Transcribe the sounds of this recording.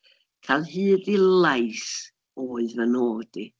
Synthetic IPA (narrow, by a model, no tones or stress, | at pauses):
kʰalˠhɨːðɪlajs | oːɨvənoːd̥i